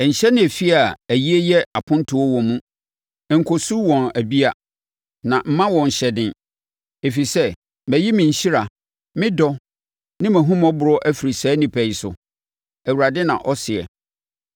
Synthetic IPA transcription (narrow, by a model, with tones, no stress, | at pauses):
ɲ̩˨ɕɛ˦nɪ̃˦æ˨fi˦a˨æ˨ji˦e˦jɛ˦a˨pʰʊ̃˦n˦tʰʊ˨ɔ˦wɔ̃˨mũ˦˨ | ŋ̩˨kʰo˨su˦wɔ̃˨næ˨bi˦a˨ | nã˨m̩˦mã˦wɔ̃˨ɲ̩˨ɕɛ˨dɪ̃˨n | e˨fi˨sɛ˦ | mæ̃˨ji˦mɪ̃˨ɲ̩˨ɕi˦ɾa˨ | mɪ̃˦dɔ˦ | nɪ̃˦mæ̃˨ɦũ˦m˦ɔ̃˦bʊ˨ɾɔ˦ʔæ˦fi˨ɾi˨sæː˨˦nĩ˨pʰæ˨i˨sʊ̰˨ | æ˨wu˨ɾa˨dɪ˦nã̰˨ʔɔ˦sɪ˨ɛ̰˨